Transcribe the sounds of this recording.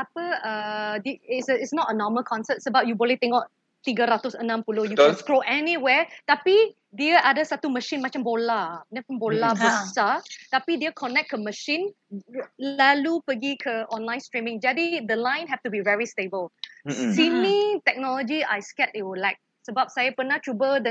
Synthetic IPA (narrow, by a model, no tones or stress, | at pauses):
apəədiɪsəɪtsnɔtənɔməlkʰɔ̃nsət̚səbap̚jubɔlit̪ɛ̃ŋɔʔ | t̪iɡəɾat̪ɔsənãmpulojukɛnskɹoʔɛniwɛt̪api | diəʔadəsat̪uməʃĩnmat͡ʃə̃mbolanɛ̃fɔ̃mbolabɔat̪apidiəkʰɔnɛk̚kəməʃĩn | lalupəɡikʰəɔ̃nlãj̃nstɹĩmɪ̃ŋd͡ʒadidəlãj̃nɦɛftubivɛɹistebəlsinit̪ɛk̚nɔlɔd͡ʒiajskɛtɪwulaɪk̚ | səbap̚sajəpənat͡ʃʰɹubədɛ̃